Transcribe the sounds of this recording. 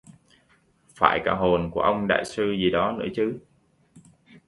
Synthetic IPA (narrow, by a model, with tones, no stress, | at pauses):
fa̰ː˧˩jkaː˧˩ɦo˨˩nku˧˩əʔə˧wŋ͡mɗa̰ː˧˨jsɨ˧zi˨˩ɗɔ˨˦nɨ̰˧˥ət͡ɕɨ˨˦